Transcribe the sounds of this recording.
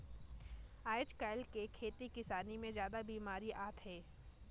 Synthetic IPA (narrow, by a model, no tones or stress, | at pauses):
aːɪt͡ʃkaːɪlkekʰeːt̪ikɪsaːnimẽzjaːd̪abiːmaːɾiʔaːt̪ɦɛː